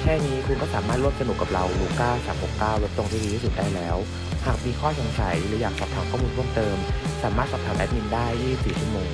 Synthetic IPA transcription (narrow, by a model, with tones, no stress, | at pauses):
kʰɛː˥˩niː˦˥kʰu˧nkɔː˥˩saː˩˦maː˥˩t̪̚ɾu˥˩əm̚sa˧nu˨˩kːa˨˩p̚ɾa˧wluː˧kaː˥˩saː˩˦mho˨˩kːaː˥˩wl̚t̪o˧ŋt̪ʰiː˥˩iː˧i˥˩uː˨˩daː˥˩jlɛː˦˥w | haː˨˩k̚miː˧kʰɔː˥˩so˨˦ŋsa˩˦jlɯː˩˦jaː˨˩k̚sʰɔː˨˩p̚t̪ʰaː˨˩˦ŋkɔ˥˩miː˧ɾʰu˥˩əmt̪ɤː˧msaː˩˦maː˥˩t̪sa˨˩p̚tʰaː˩˦ʔɛ˦˥p̚ni˧ndaː˥˩jːiː˥˩i˨˩p̚siː˨˩t͡ɕʰu˥˩moː˧ŋ